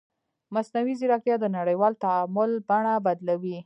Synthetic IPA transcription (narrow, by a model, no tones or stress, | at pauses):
masnawizɪɾɑkɾjɑd̪ənaɽəjwɑlt̪aamʊlbaɳabad̪lawi